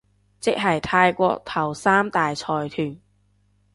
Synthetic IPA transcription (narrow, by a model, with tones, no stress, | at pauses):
t͡sɪ˥k̚ɦɐ˨jt̪ʰaː˧jkʷɔː˧k̚t̪ʰɐ˨˩wsaː˥mt̪aː˨jt͡sʰɔː˨˩jt̪ʰyː˨˩n